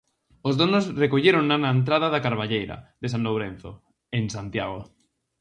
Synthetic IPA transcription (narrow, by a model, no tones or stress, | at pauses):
ozðonosrekoʎeɾoŋnːanaẽnt̪̬ɾaðaðakaɾβ̞aʎejɾa̰ðes̬ãnlowɾẽnθo̰ | ensant̪jaɣ̞o